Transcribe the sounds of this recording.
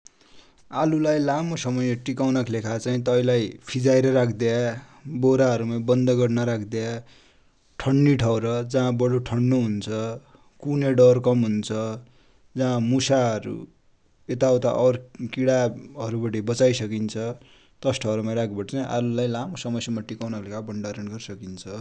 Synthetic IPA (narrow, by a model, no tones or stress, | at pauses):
alulajlamosʌmʌjeʈikawnakʰlekʰat͡saĩt̪ʌilajpʰid͡zajɾʌɾakʰd̪ea | boɾaɦʌɾumãbʌnd̪ʌɡʌɽnʌɾakʰd̪ja | ʈʰʌɳːiʈʰʌwɾʌd͡zãːbʌɽoʈʰʌɳːuɦunt͡sʰʌ | kuneɖʌrkʌmɦunt͡sʰʌ | d͡zãːmusaɦʌɾṵ | et̪awt̪a̰ʔʌɾkiɽaʌɾubʌʈibʌt͡sajsʌkint͡sʰʌ | t̪ʌsʈʰʌwɾʌmaɾakʰbʌʈʌt͡saĩʔaɾulajlamosʌmʌsjʌmaʈikawnakʰlekʰabʌɳɖaɾʌnɡʌɾisʌkint͡sʰʌ